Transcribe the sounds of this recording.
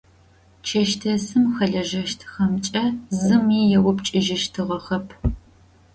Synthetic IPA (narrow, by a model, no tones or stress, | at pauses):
t͡ʃʰɐʃtʰɐsɨmxɐɮɐʒɐʃtʰxɐmt͡ʃʼɐzɨmiːjɛwʊpt͡ʃʼɪʒɪʃtʰɨʁɐχɐpʰ